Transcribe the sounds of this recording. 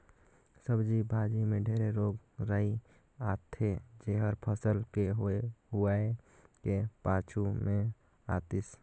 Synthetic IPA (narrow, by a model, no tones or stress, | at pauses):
səbd͡ʒibʱaːd͡ʒimẽɖʱeːɾeɾoːɡ | ɾəi | at̪ʰed͡ʒeɦəɾpʰəsəlkeɦɦuaekepat͡ʃʰumẽ | a̰t̪is